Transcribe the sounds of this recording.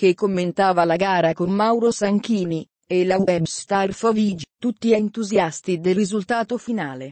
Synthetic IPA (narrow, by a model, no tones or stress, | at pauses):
k̟ekːomːent̪aːvalaɡaːɾakomːawɾosaŋk̟iːni | elawɛbst̪arfɔviːd͡ʒit̪ut̪ːiant̪uzjast̪id̪elrizult̪aːt̪ofinaːle